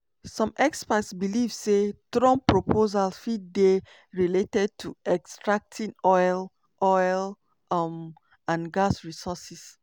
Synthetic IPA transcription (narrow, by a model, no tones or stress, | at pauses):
sɔ̃mɛkspatsbilivsetɹɔ̃mpɹopʰozalfid̚de | ɹiletɛd̚tʰuɛkstɹak̚tʰĩnɔjl | ʔɔjl | m | ãnɡasɹisɔsis